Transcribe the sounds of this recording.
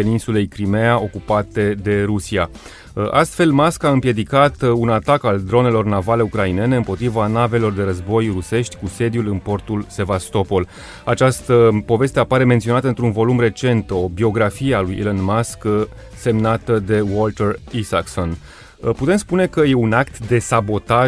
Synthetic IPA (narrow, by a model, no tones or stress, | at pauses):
peninsule̞jkɾimeaʔo̞kupat̪e̞d̪e̞ɾusia | ʔast̪fe̞lmaskaɨmpje̞d̪ikat̪unat̪akald̪ɾo̞ne̞lo̞rnavale̞ukɾaine̞ne̞ɨmpo̞t̪ɾivanave̞lo̞rd̪e̞ɾəzbo̞jruse̞ʃt̪ʲkuse̞d̪julɨnpo̞rt̪ulse̞vast̪o̞po̞l | at͡ʃast̪əpo̞ve̞st̪e̞apaɾe̞ment̪sio̞nat̪əɨnt̪ɾunvo̞lumre̞t͡ʃe̞nt̪o̞bio̞ɡɾafijealujʔḛlenmask | se̞mnat̪əd̪e̞wolt̪erisa̰kso̞n | put̪e̞mspune̞kəje̞unakt̪d̪e̞sabo̞t̪a